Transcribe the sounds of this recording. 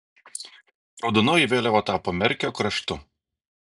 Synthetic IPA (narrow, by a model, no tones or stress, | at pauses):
ɔd̪ʊnɔːjiʋʲeːlʲɛʋoːt̪ɑːpoːmʲɛɾʲkʲoːkɾɐʃt̪ʊ